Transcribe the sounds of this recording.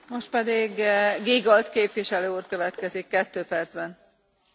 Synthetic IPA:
mo̞ʃt̪̚pɛd̪iɡɡeːɡɒlt̪keːpʋiʃɛløːuːrkøvɛt̪kɛzikːɛt̪ːøːpɛrd̪zbɛn

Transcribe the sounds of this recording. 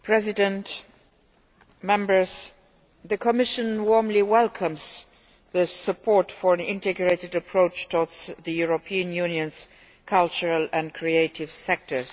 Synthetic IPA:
pʰɹ̥ɛzɪdə̃nt | mɛ̃mbə˞z̥ | ðɨkʰəmɪʃɨ̃nwɔɹmliwɛlˠkʰə̃mz̥ | ðɨsəpʰɔɹtfə˞ɨ̃nɪ̰̃ntɨɡɹeɪtɨdəpʰɹoʊt͡ʃtʰɔɹdzðɨjuɹopʰiɨ̃njʉ̃njɨ̃nz̥ | kʰalˠt͡ʃəɹəlɨ̃nkʰɹ̥ieɪtɪv̥sɛk̚tə˞z̥

